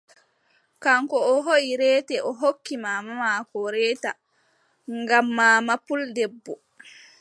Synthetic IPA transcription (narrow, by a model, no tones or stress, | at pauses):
kaŋkɔːɦoiɾɛːtɛʔɔɦokːimamamakɔɾɛːta | ŋɡamːaːmapuldɛbːɔ